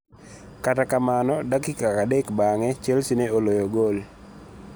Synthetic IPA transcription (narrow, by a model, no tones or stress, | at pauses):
katakamanɔdakikakadɛkbaŋɛt͡ʃɛlsineolojoɡol